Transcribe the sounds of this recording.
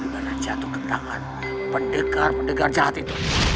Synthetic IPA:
banad͡ʒat̪ukənda̰ŋa̰n | pəndəɡarpəndəɡard͡ʒaɦat̪it̪u

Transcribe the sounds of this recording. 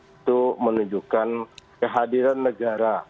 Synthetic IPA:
t̪umənuɲd͡ʒukankəɦadiɾanːəɡaɾa

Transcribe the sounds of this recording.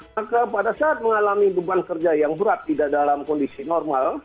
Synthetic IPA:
akapadasaʔːt̪̚məŋalamibəbankərd͡ʒajaŋbəɾat̪ːidadalamkɔndisinɔrmal

